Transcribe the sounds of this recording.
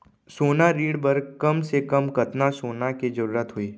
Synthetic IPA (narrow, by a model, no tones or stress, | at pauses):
soːnaɾiːɽbɐɾkɐmsekɐmkɐt̪nasoːnakid͡ʒɐɾuːɾət̪ɦʊiː